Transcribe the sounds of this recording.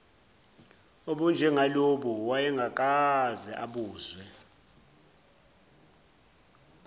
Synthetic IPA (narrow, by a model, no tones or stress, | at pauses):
oɓund͡ʒʱɛŋaloɓuwajɛŋɡʱak̬ʼazɛʔaɓuːzwɛ